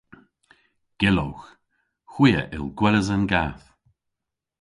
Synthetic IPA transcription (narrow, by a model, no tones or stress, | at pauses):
ɡ̥ɪlowx | xwiːə̰ʔɪ̰lˠɡwɛləzənɡaːf